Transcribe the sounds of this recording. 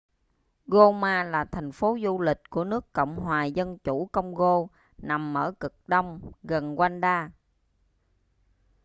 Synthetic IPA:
ɣo˧maː˧laː˨˩t̪ʰa˨˩jŋ̟fo˨˦zu˧lï˨˩k̟̚ku˧˩ənɨ˦˥əkːə̰˧˨wŋ͡mɦwaː˨˩zə˧nt͡ɕu˧˩kə˧wŋ͡mɣo˧ | na˨˩mːə̰ː˧˩kɨ˨˩k̚ɗə˧wŋ͡mɣə˨˩nkwa˧nɗaː˧

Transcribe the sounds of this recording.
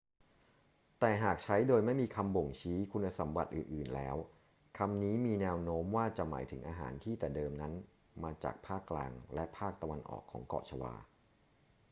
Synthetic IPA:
t̪ɛː˨˩ɦaː˨˩k̚t͡ɕʰa˦˥jdoː˧jma˥˩jmiː˧kʰa˧mbo˨˩ŋt͡ɕʰiː˦˥kʰu˧nːa˧sa˩˦mba̰˨˩t̪̚ʔɯː˨˩nʔɯː˨˩nlɛː˦˥w | kʰa˧mniː˦˥miː˧nɛː˧˥wnoː˦˥mwaː˥˩t͡ɕa˨˩ma̰ː˩˦jt̪ʰɯ˩˦ŋʔaː˧ɦa̰ː˩˦nt̪ʰiː˥˩t̪ɛː˨˩dɤː˧mna˦˥n | maː˧t͡ɕa̰ː˨˩k̚pʰaː˥˩kːlaː˧ŋlɛ˦˥ʔpʰaː˥˩k̚t̪a˧wa˧nʔɔ̰ː˨˩kʰːɔ̰ː˩˦ŋkɔ̰ː˨˩t͡ɕʰa˧wa̰ː˧

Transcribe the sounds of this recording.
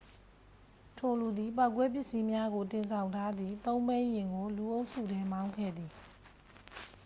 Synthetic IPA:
tʰo˨lu˨d̪ði˨pa˦ʊkːwɛ˦p̬jɪ˦ʔsi˦mja˦ɡo˨tɪ̃˨nsʰã˨ʊ̃ntʰa˦d̪ði˦˨t̪õ˦ʊ̃mbẽ˦ɪ̃jɪ̃˨ŋɡo˨lu˨ʔo˦ʊʔsṵ˦˨dɛ˦mã˦ʊ̃ŋkʰɛ̰˦˨d̪ði˨

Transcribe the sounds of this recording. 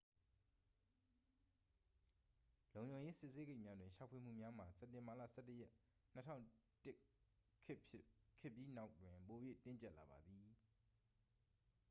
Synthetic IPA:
lõ˨ʊ̃ɲd͡ʑõ˨ʊ̃je˦sɪ˦ʔse˦ɡe˦ɪʔmja˦dwɪ̃˨ʃa˨ʊpʰwe˨m̥ṵ˦˨mja˦m̥a˨sɛ˦tːɪ̃˨mba˨lä̰˦˨sʰɛ̰˦˨tːə˨jɛ˦ʔn̥ətʰã̰˦ʊ̃tɪ˦ | kʰkʰːɪ˦˨pji˦na˦ʊtwɪ̃˨po˨jwḛ˦˨tɪ̃˦ɲt͡ɕɛ˦ʔla˨ba˨d̪ði˨

